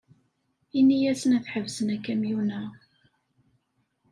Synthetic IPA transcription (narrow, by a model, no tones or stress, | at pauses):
inːijæsənæθħəvsənækːæmjunə